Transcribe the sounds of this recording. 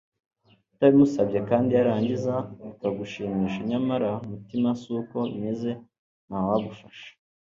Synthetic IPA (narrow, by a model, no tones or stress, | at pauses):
taβimusabɟekaːndiaɾaːɲɟizaikaɡuʃiːmiːʃaɲamaɾamutimasuːko̞βimeze̞ | nawaɡufaʃḁ